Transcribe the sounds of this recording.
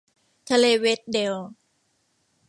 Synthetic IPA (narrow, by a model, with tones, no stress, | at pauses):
t̪ʰa˧leː˧we˦˥t̪̚de˧w